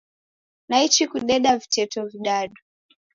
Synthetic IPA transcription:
nait͡ʃikuɗɛɗavitɛtɔviɗaɗu

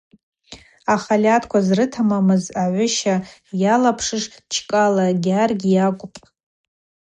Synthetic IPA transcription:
aχalʲatʰkʷʰazrɨtʰamamɨzaʕʷʊʃajalapʰʂɨʂt͡ʃʰkʼalaɡʲarɡʲjakʷʼʊpʼ

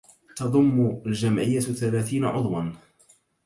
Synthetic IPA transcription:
t̪ɑðˤʊmːʊld͡ʒamʕɪjːaθalaːθiːnaʕʊ̰ðˤwɑn

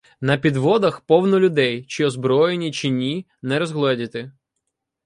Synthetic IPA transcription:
nɐpʲid̪ʋɔd̪ɐxpɔwnʊlʲʊd̪ɛjt͡ʃɪɔzbɾɔjenʲit͡ʃɪnʲi | nɛɾɔzɦlˠɛdʲɐt̪ɪ

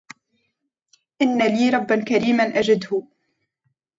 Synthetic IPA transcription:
ʔɪnːaliːɾˤɑbːankaɾiːmanʔad͡ʒɪd̪hʊ

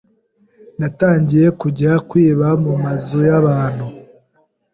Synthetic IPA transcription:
nataːɲɟije̞kuɟɾakwiːβamumazujaβaːn̥hu

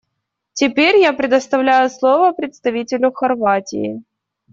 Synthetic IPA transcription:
tʲɪpʲeɾʲjapɾʲɪd̪əst̪ɐvlʲæjʊslˠovəpɾʲɪt̪st̪ɐvʲitʲɪlʲʊxɐrvatʲɪ̰ɪ̰

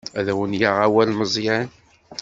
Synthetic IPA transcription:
æðæwənjaʁawælməzˤjæn

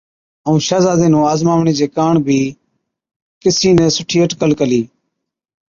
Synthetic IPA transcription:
əũːʃaːzaːd̪ẽːnũːaːzmaːʋɳeːd͡ʒeːkaːɳbʱiː | kɪsiːnɛ̃ːsʊʈʰiːəʈkəlkəliː

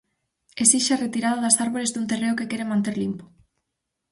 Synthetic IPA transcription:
esiʃaret̪iɾaðaðasaɾβolezd̪unt̪ereokekeɾemãnt̪eɾlimpo̥

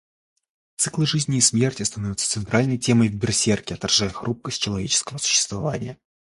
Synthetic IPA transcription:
t̪sɨklˠɨʐɨzʲnʲɪːsmʲe̞rtʲɪst̪ɐnovʲʊt̪sə̥t̪sɨnt̪ɾʔalʲnəjtʲe̞məjd̪bʲɪrsʲerkʲɪɐt̪ɐrʐajəxɾup̚kəsʲt̚ʲt͡ɕɪlˠɐvʲet͡ɕɪ̥skəvəsʊ̥ɕːɪ̥st̪vɐvanʲɪjə

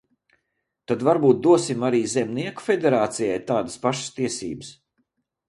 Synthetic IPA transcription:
t̪ad̪vaɾbuːt̪̚d̪uɔsimaɾiːzɛmniɛku̥fʲed̪ɛɾaːt̪sijajt̪aːd̪əspaʃə̥st̪iɛsḭːbəs

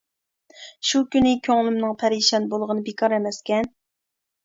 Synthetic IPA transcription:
ʃukʲynɪkʲʰøŋlˠymnɨŋpʰæɾiʃɑnbolˠʁənɨbekʰɑɾɛmɛskʲʰɛn

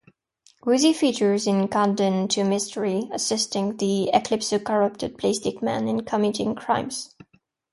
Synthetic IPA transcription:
ɹʉzifit͡ʃə˞zɪ̃nkʰɑ̃ndɨ̃ntʰɨmɪstʰə˞iəsɪstɪ̃ŋðiɪkʰl̥ɪpsəkʰəɹʌp̚tɨd̚pʰl̥eɪstɪk̚mæ̰̃nɪ̃nkʰʌmiɾɪ̃ŋkʰɹ̥ãɪ̃mz̥

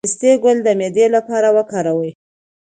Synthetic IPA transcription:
st̪eɡʊld̪əmed̪elapɑɾawəkɑɾawəj

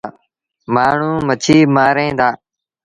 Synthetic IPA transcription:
maːɳ̤ũːmət͡ʃʰiːmaːɾẽːd̪aː

